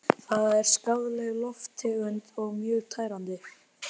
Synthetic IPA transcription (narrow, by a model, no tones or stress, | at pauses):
θaːðaɛɾ̥skawðlɛɣlɔft̪ɪʏnt̪ɔɣmjœːɣt̪ʰaːjɾant̪ɪ